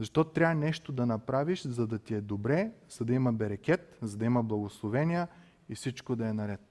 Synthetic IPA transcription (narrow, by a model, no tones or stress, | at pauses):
zɐʃt̪ɔt̪ot̪ɾʲavɐnɛʃt̪od̪ɐnɐpɾaviʃzɐd̪ɐt̪iɛd̪obɾɛz̥ɐd̪ɐimɐbɛɾɐkʲɛt̪zɐd̪ɐimɐblˠɐɡoslˠovɛniə | ifsit͡ʃkod̪ɐɛnɐɾɛt̪̚